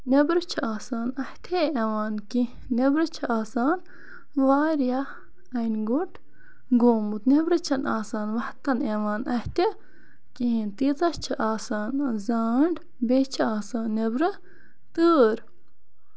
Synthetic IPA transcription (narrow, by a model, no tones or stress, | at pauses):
nebɾɨt͡ʃʰɐaːsaːnɐht̪ʲʰeeʋaːnki | nebɾɐt͡ʃʰɐaːsaːn | ʋaːɾja | ɐjnɡuʈʰ | ɡoːmut̪nʲebɾɐt͡ʃʰɐnaːsaːnʋɐht̪ɐneʋaːnɐht̪ʲe | kiɦĩnt̪iːt̪ɐst͡ʃʰɐʔaːsaːnzaːɳɖ | beːt͡ʃʰɐaːsaːnːebɾɨ | t̪əːɾ